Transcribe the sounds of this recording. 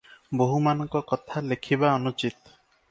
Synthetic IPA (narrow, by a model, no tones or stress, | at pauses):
boɦumanɔŋkɔkɔt̪ʰalekʰibaɔnut͡ʃit̪